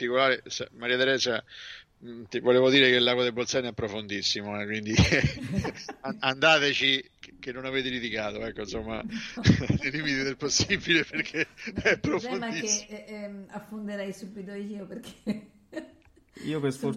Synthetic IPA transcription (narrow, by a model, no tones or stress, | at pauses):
t̪ikolaːɾesamaɾiːat̪eɾɛsa | t̪ivoleːvod̪iːɾek̟elːakwod̪ebːolt̪sɛnɛpːɾofond̪isːimoɛkːwind̪i | aand̪aːt̪et͡ʃikkenːonaveːt̪̬eɾit̪ikaːt̪oɛkːoinsomːa̰ | leliːmit̪id̪elposːibileperkʰːeɛpːɾofonmad̪iks | afond̪eɾɛjsubːit̪̬oiiːoperk̟ʰe̥ | ḭːopesfo